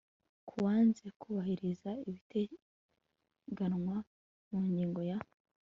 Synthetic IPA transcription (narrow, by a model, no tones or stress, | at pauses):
kʰuwaːnze̞kʰuβahiɾizaiβite | ɡanŋwa | muːɲɟiːŋɡo̞ja